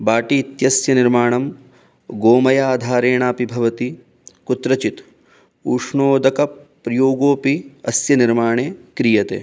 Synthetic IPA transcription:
baːʈit̪jɐsjɐniɾmaːɳɐm | ɡoːmɐjaːd̪ʱaːɾeːɳaːpibʱɐʋɐt̪i | kut̪ɾɐt͡ʃit̪ | uːʂɳoːd̪ɐkɐpɾɐjoːɡoːpiɐsjɐniɾmaːɳeːkɾijɐt̪ḛː

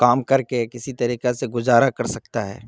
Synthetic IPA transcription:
kaːmkɐɾkekɪsit̪ɐɾiːqeseɡʊzaːɾakɐɾsɐk̚t̪aɦɛ̰ː

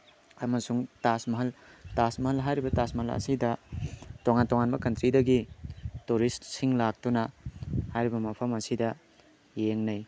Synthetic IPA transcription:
ɐmɐsuŋtasmɐɦɐltasmɐɦɐlɦajɾibɐtasmɐɦɐlɐ̰sidɐtoŋantoŋanbɐkɐntɾidɐɡituɾistsiŋlak̚tunɐhajɾibɐmɐpʰɐmɐsidɐ | jeŋnɐj

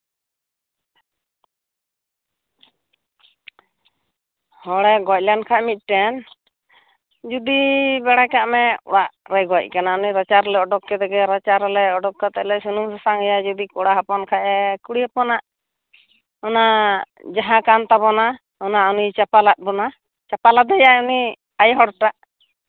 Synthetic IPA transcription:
hɔɽɛɡɔc̚lankʰaʔmit̪̚ʈɛn | d͡ʒud̪ibɛɽakaʔmɛ̰waʔɾɛɡɔc̚ˀkanaɔniɾat͡ʃaɾlɛɔɖɔkːɛd̪ɛɡɛɾat͡ʃaɾɛlɛɔɖɔkːat̪ɛlɛsunumsasaŋɛjad͡ʒud̪ikɔɽaɦapɔnkʰaʔɛkuɽiapɔnaʔ | ɔna | d͡ʒaɦãkant̪abɔna | ɔnaɔnit͡ʃapalat̪̚bɔna | t͡ʃapalad̪ɛjauni | ajɦɔɽʈaʔ

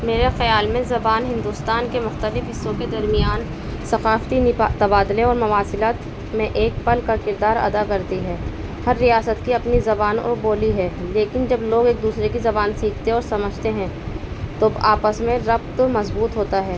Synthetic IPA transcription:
meːɾexɐjaːlmẽzɐbaːnɦɪ̃nd̪uːst̪aːnkemʊxt̪əlɪfɦɪsːõked̪ɐɾmɪjaːn | sɐxaːft̪it̪ɐbaːd̪leɔːɾmɐʋaːsɪlaːt̪ | mẽʔeːk̚pɐlkakɪɾd̪aːɾɐ̰d̪akɐɾt̪iɦɛː | hɐɾːijaːsət̪kiɐpnizɐbaːnɔ̰boːliɦɛːleːkɪnd͡ʒɐbloːɡeːk̚d̪uːsɾekizɐbaːnsiːkʰt̪eɔːɾsɐməd͡ʒʱt̪eɦɛ̃ | t̪obaːpəsmẽɾɐft̪omɐzbuːt̪ɦoːt̪aɦɛː

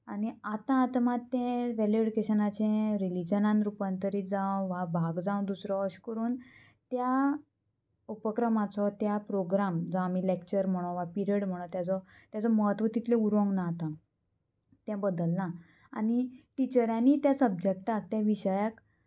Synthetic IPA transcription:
aɽ̃iat̪ãːt̪mat̪ːẽʋɛliɽkeɕənat͡ɕẽɾilid͡ʑənãnɾupənt̪əɾiːd͡zãʋabʱaɡd͡zãw̃d̪usɾɔːɕkəɾuːn | t̪ja | upəkɾəmat͡sɔt̪japɾoɡɾamd͡zaamilekt͡ɕəɾm̤əɽ̃õʋapiɾieɽm̤əɽ̃õt̪jat͡sɔt̪jat͡sɔməɦət̪ʋət̪it̪lẽuɾʋɔ̃ŋɡnat̪ã | t̪jãbəd̪əlːã | aɽiʈit͡ɕəɾjãnːiːt̪jasəb̚d͡ʑek̚ʈak̚t̪jaʋiɕəjak

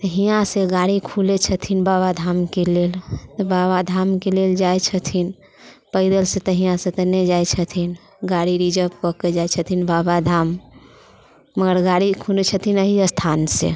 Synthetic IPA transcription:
t̪əɦijãseɡaɽikʰulet͡ʃʰət̪ʰinbaβad̪ʱamkelelt̪ɔbaβad̪ʱamkeleld͡ʒajt͡ʃʰət̪ʰin | pəɪd̪əlset̪əɦijãsẽt̪ənɛd͡ʒajt͡ʃʰət̪ʰin | ɡaɽiɾid͡ʒəp̚kɔked͡ʒajt͡ʃʰət̪ʰinbabad̪ʱam | əɡəɾɡaɽikʰulet͡ʃʰət̪ʰinəɦiəst̪ʰansḛ

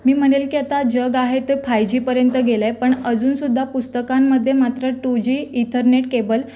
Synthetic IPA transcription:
miːm̤əɽ̃elkiːət̪ad͡ʑəɡaɦet̪efajd͡ʑiːpəɾjənt̪əɡelepəɳəd͡zuːnsud̪ʱːapust̪əkamːəd̪ʱːjemat̪ɾəʈud͡ʑiːit̪ʰəɾneʈ̚kebəl

